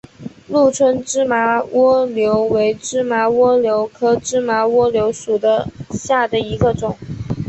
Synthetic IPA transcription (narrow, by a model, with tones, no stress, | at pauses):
lu˥˩t͡sʰwə˥nʈ͡ʂɻ̩˥ma˧˥wɔ˥ljo˧˥ʊwe˧˥ɪʈ͡ʂɻ̩˥ma˧˥wɔ˥ljo˧˥ʊkʰɤ˥ʈ͡ʂɻ̩˥ma˧˥wɔ˥ljo˧˥ʊʂu˨˩d̪ə˦ɕja˥˩d̪ə˩i˧˥ɡə˧ʈ͡ʂʊ˨˩˦ŋ